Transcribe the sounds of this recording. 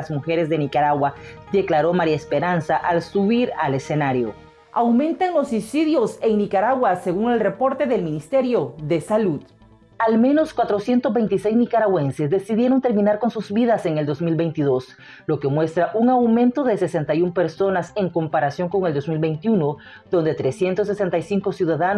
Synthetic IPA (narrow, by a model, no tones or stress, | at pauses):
zmuxe̞ɾe̞zðe̞nikaɾaɣwad̪e̞klaɾo̞maɾjaespe̞ɾansaʔalsuβiɾale̞se̞naɾjo | awmẽ̞nt̪aŋlo̞sisiðjo̞se̞ŋnikaɾaɣwase̞ɣuŋe̞lre̞po̞ɾt̪e̞ðe̞lmĩnist̪eɾjo̞ðe̞saluð | almẽ̞no̞skwat̪ɾosje̞nt̪ozβe̞jnt̪ise̞jznikaɾaɣwe̞nse̞zd̪e̞siðje̞ɾo̞nt̪e̞ɾmĩnaɾko̞nsuzβiðaseŋe̞ld̪o̞zmilβe̞jnt̪iðo̞s | lo̞ke̞mwe̞st̪ɾaʔuŋawmẽ̞nt̪o̞ðese̞se̞nt̪ajumpe̞ɾso̞nase̞ŋko̞mpaɾasjo̞ŋko̞ŋeld̪o̞zmilβe̞jnt̪iuno | ðo̞nd̪e̞t̪ɾe̞sje̞nt̪o̞sːese̞nt̪ajsiŋko̞sjuðaðan